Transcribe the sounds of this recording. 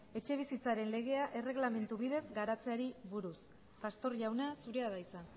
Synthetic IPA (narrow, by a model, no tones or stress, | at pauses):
e̞t͡ʃe̞β̞isit͡saɾe̞nle̞ɣ̞e̞aʔe̞re̞ɣlame̞nt̪uβiðe̞zɡaɾat͡se̞aɾiβuɾus | past̪o̞ɾʝawnasuɾeaðajt͡sa